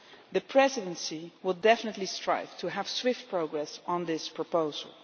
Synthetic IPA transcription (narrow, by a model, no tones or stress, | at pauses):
ðəpʰɹɛzɪdə̃nsiwəlˠdɛfənətlistɹ̥a̰ɪvtʰəəv̥swɪft̚pʰɹoʊɡɹɛsn̩ðɪspʰɹəpoʊzə̰l̩ˠ